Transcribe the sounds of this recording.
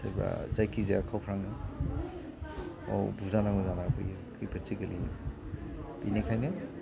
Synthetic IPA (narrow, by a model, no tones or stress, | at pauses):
sajba̰zajkʰizeakʰawpʰɾaŋnɯ | a̰wbuzanaŋuzanapʰɯ̰j | kʰɯjpʰɯtʰiɡɯli | binikʰajnɯ